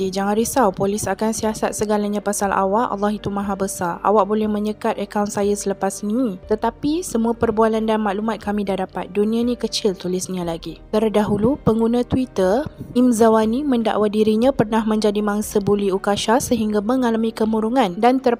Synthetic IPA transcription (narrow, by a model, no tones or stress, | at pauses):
id͡ʒaŋãnɾisawpolisakansiasat̪̚səɡalaɲãpasalʔa̰waʔɑ̰lːɑɦit̪umaɦabəsara̰wak̚bolɛhmə̃ɲəkat̪̚əkawnsajasələpasnĩt̪ət̪apisəmuapərbualandanmaʔlumat̪̚kamĩdahdapat̪̚dunianĩkət͡ʃɪlt̪ulɪsnialaɡit̪ərdaɦulupəŋɡunãt̪wit̪ərimzawanĩmənda̰ʔwadiɾiɲãpərnahmə̃ɲd͡ʒadimaŋsəbuliukaʃasəɦiŋɡaməŋalamĩkəmuɾuŋãndant̪ər